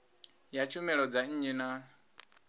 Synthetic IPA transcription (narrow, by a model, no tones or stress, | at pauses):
jat͡ʃʰumɛɺɔd͡zaɲ̩ɲina